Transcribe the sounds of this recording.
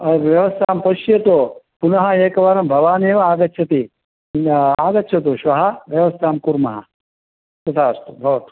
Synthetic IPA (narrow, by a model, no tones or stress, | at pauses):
ɐʋjɐʋɐst̪ʰaːmpɐʃjɐt̪o | punɐɦɐ̆eːkɐʋaːɾɐmbʱɐʋaːneːʋɐaːɡɐtːʃʰɐt̪i | aːɡɐtːʃʰɐt̪̬uʃʋɐɦɐʋjɐʋɐst̪ʰaːmkuɾmɐɦɐ̰ | t̪ɐt̪ʰaːst̪ubʱɐʋɐt̪u̥